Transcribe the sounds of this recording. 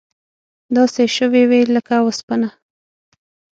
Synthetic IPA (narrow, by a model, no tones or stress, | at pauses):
d̪ɑseʃəweweləkawəspana